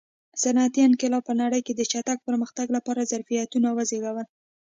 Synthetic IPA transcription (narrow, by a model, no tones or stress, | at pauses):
sanat̪iankɪlɑpənaɽəjked̪ət͡ʃat̪aɡ̚pəɾməxt̪aɡlapɑɾazaɾfijat̪unawazeɡawəl